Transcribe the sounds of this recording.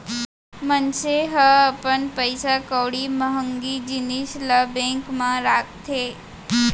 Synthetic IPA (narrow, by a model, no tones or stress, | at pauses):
mənt͡ʃeɦəəpəɳpəjsakəʋɽiməɦəŋɡid͡ʒiniʃləbẽŋkmãɾak̚t̪ʰe